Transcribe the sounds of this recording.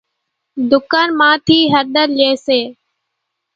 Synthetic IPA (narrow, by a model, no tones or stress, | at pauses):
d̪ʊkaːnmãːt̪ʰiːɦəɾɗ̪əɾleːseː